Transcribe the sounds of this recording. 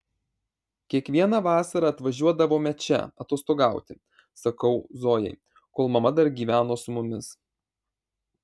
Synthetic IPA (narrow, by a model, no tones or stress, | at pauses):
kʲiɛkʋʲiɛnɑʋɑːsɐɾɑːɐt̪ʋɐʒʲuɔd̪ɐʋoːmʲɛt͡ʃʲɛ̰ɐt̪oːst̪oːɡɑˑʊt̪ʲɪ | sɐkɐʊzoːjɛ̰ɪ | koːlˠmɐmɐd̪ɐɾɡʲiːʋʲæːnoːsʊmʊmʲɪs